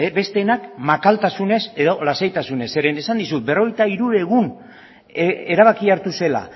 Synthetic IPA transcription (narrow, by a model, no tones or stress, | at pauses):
ebe̞st̪e̞ːnakmakalt̪asune̞se̞ðo̞lasajt̪asune̞se̞ɾenesand̪isut̪̚be̞ro̞ɣ̞e̞jt̪aiɾuɾe̞ɣ̞un | e̞ɾaβ̞akiaɾt̪use̞la̰